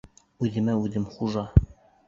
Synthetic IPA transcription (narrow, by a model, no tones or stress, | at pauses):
ʉðɘ̆mæʉðɘmχuʒɑ